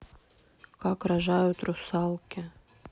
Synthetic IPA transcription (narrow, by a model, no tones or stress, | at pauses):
kɑkɾaʒajʊt̪rʊsɑlˠkʲɪ